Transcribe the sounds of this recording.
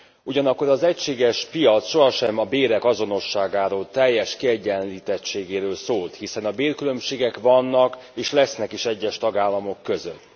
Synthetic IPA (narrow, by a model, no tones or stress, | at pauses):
uɟɒnɒkːo̞ɾɒzɛcʃeːɡɛʃpijɒt̪sʃo̞ɦɒʃɛmɒbeːɾɛkɒzo̞no̞ʃːaːɡaːɾoːlt̪ɛjːɛʃkiɛɟɛnliːt̪ɛtt͡ʃeːɡeːɾøːlsoːlt̪hisɛnɒbeːrkylø̞mʃeːɡɛkʋɒnːɒkeːʃlɛsnɛkiʃɛɟːɛʃt̪ɒɡaːlːɒmo̞kːø̞zø̰t̪ː